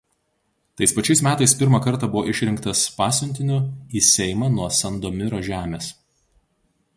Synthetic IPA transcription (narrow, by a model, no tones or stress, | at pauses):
t̪ɐɪspɐt͡ʃʲɛɪsmʲæːt̪ɐɪspʲɪɾmɐˑkɐɾˑt̪ɑbʊʋoːʔɪʃʲɾʲɪŋkt̪ɐspɑːsʲʊnʲt̪ʲɪnʲʊiːsʲɛɪmɑnuɔsɐnd̪oːmʲɪɾoːʒʲæːmʲeːs